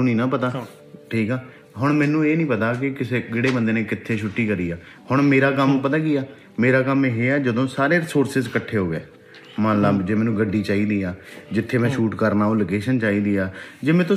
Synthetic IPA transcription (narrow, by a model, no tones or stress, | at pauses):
ũːnĩːnãːpət̪aː | ʈʰiːkaː | ɦʊɳmɛ̃ːnũːeːnĩːpət̪aːk̬ɪkɪseːɡɪːɽeːbənd̪eːnẽːkɪt̪ʰːeːʃʊʈːiːkəɾiːaː | hʊɳmeːɾaːkəmːpət̪aːkiaː | meːɾaːkəmeːɦeːɛːd͡ʒəd̪õːsaːɾeːsoːɾsɪzkəʈʰeːɦoːɡeː | mãːnlaːd͡ʒeːmɛ̃ːnũːɡəɖːiːt͡ʃaːiːd̪iːaːd͡ʒɪt̪ʰːeːmɛ̃ːʃuːʈkəɾnaːõːləkeːʃənt͡ʃaːiːd̪iːaːd͡ʒɪmẽːt̪